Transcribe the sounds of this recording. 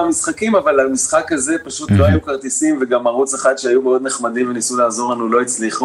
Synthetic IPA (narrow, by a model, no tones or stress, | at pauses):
amisχakimavalamisχakaze̞paʃut̪lo̞ajukaʁt̪isimveɡamaʁut͡saχad̪ʃeajumeo̞d̪ne̞χmad̪imvenisulaazo̞ʁanulo̞it͡sliχu